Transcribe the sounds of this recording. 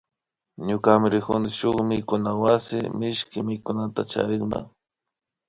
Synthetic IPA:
ɲʊkamɪɾɪkʊnɪʃʊχmɪkʊnawasɪmɪʃkɪmɪjkʊnat̪a̰t͡ʃa̰ɾɪχma̰

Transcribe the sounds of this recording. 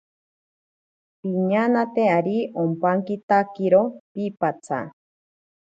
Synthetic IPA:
piɲanat̪eaɾiompaŋkit̪akiɾopipat͡sʰa̰

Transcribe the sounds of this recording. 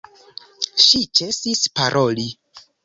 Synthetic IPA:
ʃit͡ʃe̞sispaɾʔo̞li

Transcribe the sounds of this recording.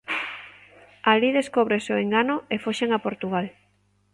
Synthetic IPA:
aliðeskoβɾesoeŋɡanoefoʃeŋapoɾt̪uɣ̞al

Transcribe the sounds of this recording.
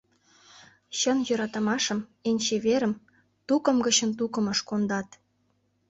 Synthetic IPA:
ɕə̆njø̆ɾɑt̪ɤ̆mɑʃə̆menʲt͡ɕeβeɾə̆m | t̪ukɤ̆mɡə̆t͡ɕə̆nt̪ukə̆mə̆ʃkond̪ɑt̪

